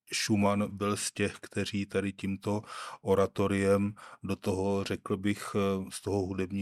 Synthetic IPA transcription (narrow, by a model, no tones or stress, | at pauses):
ʃumanbɪlscɛxkt̪ɛr̝iːt̪adɪcimt̪o̞ʔoɾat̪o̞ɾɪjɛmdo̞t̪oɦor̝ɛkl̩bɪxst̪oɦoɦudɛbɲiː